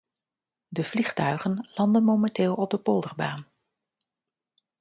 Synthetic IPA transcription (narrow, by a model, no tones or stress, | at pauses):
dəv̥liχtœɥχənlɑndənmowmɛntɪːlˠɔb̚dəpɔlˠdərbaːn